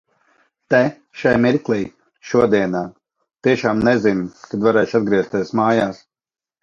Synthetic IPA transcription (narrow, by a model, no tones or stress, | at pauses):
t̪ɛ | ʃajmiɾklˠij | ʃuɔd̪iɛnaː | t̪iɛʃaːmnɛzinkad̪vaɾɛːʃad̪̚ɡɾiɛst̪ʲiɛsmaːjaːs